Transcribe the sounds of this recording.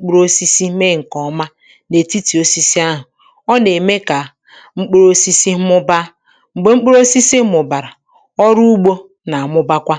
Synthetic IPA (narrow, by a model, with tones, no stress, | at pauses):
k͡pu˦ɾo˦si˦si˦me˦˨ŋ̩˨kɔ˨˦ma˦ | ne˨ti˦ti˨o˦si˦si˦a˦ɦʊ˨ | ɔ˦ne˨me˦ka˨ | ŋ͡m̩˦k͡pɾo˦si˦si˦mʊ˦ba˦ | ŋ͡m̩˨ɡ͡be˨ŋ͡m̩˦k͡pɾo˦si˦si˦mʊ˨ba˨ɾa˨ | ɔ˦ɾu˦u˦ɡ͡bo˦ | na˨a˨mʊ˦ba˦kʷa˦